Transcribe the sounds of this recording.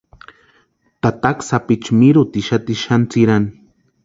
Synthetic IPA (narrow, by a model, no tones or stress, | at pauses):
t̪at̪aksapit͡ʃmiɾut̪iʃat̪iʃant͡siɾani